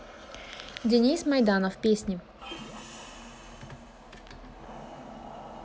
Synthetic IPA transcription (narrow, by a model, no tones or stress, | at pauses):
dʲɪnʲismɐjd̪anəfpʲesʲnʲɪ